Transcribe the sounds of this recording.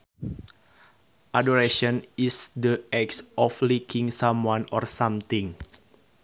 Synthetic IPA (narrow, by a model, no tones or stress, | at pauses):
ʔadɔɾeʃɔnisdəɛksʔɔflikʰiŋsãmwãnɔrsãmt̪ĩŋ